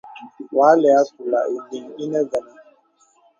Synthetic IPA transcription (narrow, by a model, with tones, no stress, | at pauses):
wa˨˦lɛ˨a˦su˨la˨ʔi˨di˨ŋi˦nɛ˦za˨na˨